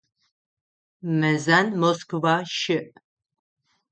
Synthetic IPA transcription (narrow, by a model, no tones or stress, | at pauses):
mɐzanmoskʰvaʃɪʔ